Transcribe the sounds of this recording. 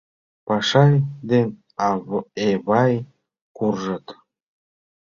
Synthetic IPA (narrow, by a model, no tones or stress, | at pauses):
pɑʃɑjd̪en | eβɑj | kurʒɤ̆t̪